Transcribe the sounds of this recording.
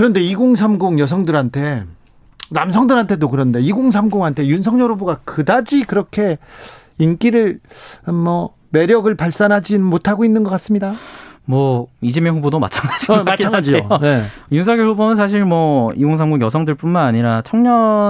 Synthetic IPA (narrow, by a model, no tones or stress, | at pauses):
kɯɾʌnde̞iɡoŋsʰamɡoŋjʌs̬ʰʌŋdɯɾɦantʰe̞ | namsʰʌŋdɯɾɦantʰe̞dokɯɾʌnde̞iɡoŋs̬ʰamɡoŋɦantʰe̞junsʰʌŋɲʌɾuboɡakɯdad͡ʑikɯɾʌkʰe̞ | ink͈iɾɯɭmʌ | me̞ɾjʌɡɯɭpaɭs͈anɦad͡ʑimotʰaɡoinːɯnɡʌk͈as͈ɯmɲidamwʌid͡ʑimjʌŋɸubodoma̰t͡ɕʰaŋɡad͡ʑimat͡ɕʰaŋad͡ʑne̞junsʰʌaɡjoɭhubonɯnsʰaɕ̬ʰiɭmwʌiɡoŋsʰamɡuŋjʌs̬ʰʌŋdɯɭp͈unmanaɲiɾat͡ɕʰʌŋɲʌ